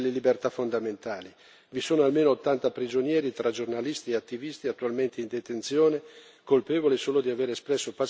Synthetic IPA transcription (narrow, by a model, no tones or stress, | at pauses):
lːelibert̪afond̪ament̪aːli | visoːnoalmeːnoːt̪ːant̪apɾid͡ʒonjɛːɾit̪ɾad͡ʒornalist̪ieat̪ːivist̪iat̪ːualment̪eind̪et̪ent̪sjoːne | kolpeːvolesoːlod̪iaveːɾespɾɛsːopa